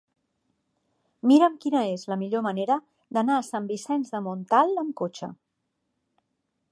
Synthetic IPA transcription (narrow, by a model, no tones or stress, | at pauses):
miɾəmkinəezləmiʎoməneɾə | d̪ənaəsambisɛnzðəmont̪alˠəmkot͡ʃə̰